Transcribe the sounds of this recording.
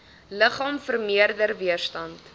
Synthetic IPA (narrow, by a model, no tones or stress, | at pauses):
ləχɑːmfərmiərdərviərstɐnt